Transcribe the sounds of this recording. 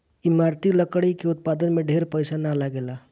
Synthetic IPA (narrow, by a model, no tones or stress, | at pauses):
imaɾt̪iləkɽikeut̪̚pad̪ənmeɖʱeɾpəjsanalaɡela